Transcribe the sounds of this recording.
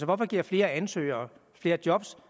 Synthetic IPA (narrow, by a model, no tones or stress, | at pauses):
sɒʋɒfɒ̽ɡ̥iɐ̰fle̝ːɐænsø̰ɪ̰ɐː | fle̝ːɐd̥jɒ̽b̥s